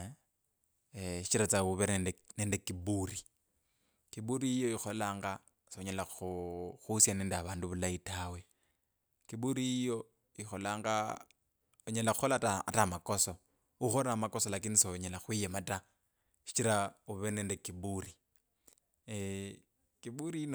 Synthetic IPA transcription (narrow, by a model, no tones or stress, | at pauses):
ʃi̥t͡ʃiɾat͡sauβɛnɛnnendekibuːri | kibuɾiijoixolaːŋɡa | soɲalaxuxusjanɛːndaβaːnduβulaitʰaːwe | kibuɾiijo | ixɔlaːŋɡa̰ | uɲelauxɔlata̰tamakoso | uxoɾamakɔsɔlakinisoɲelaxwijɛmata | ʃi̥t͡ʃiɾauβenendekiburi | kibuɾin